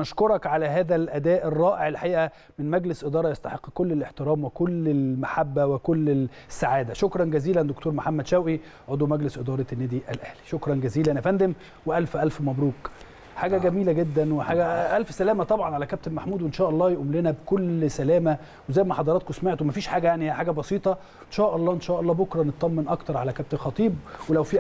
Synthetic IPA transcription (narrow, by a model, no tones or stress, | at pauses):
nɑʃkoɾˤɑkʕalæɦæːðælʔæd̪æːʔerˤːɑːʔeʕelħaʔiːʔæ | mɪnmæɡlesʔed̪ɑːɾˤɑjɑst̪ɑħeqːkolːeleħt̪eɾæːmwekolːelmaħabːæwekolːe | sːaʕaːd̪æʃokɾˤɑnɡæziːlænd̪okt̪oːɾmoħamːæd̪ʃæwʔi | ʕod̪ˤwmæɡlesʔed̪ˤɑːɾˤɑnːæːd̪iʔælʔæhli̥ʃokɾˤɑnɡæziːlænʔæfænd̪em | weʔælfʔælfmæbɾuːk | ħaːɡæɡæmiːlæɡed̪ːænweħaːɡæʔælfsælæːmæt̪ˤɑbʕɑnʕalækæb̚t̪ebmaħmuːd̪wenʃæːʔɑlˤːɑːjeʔuːmlenæbekolsælæːmæ | wezæːjmæħɑd̪ˤɑɾˤɑːt̪̚kosmeʕt̪owmæfiːʃħaːɡæjaʕnihħaːɡæbɑsiːt̪ˤɑ | ʔenʃæːʔɑlˤːɑːʔenʃæːʔɑlˤːɑːbokɾˤɑnet̪̚ˤːɑmːenʔɑkt̪ɑɾˤʕalækæb̚t̪elxɑt̪ˤiːbwelæwfiː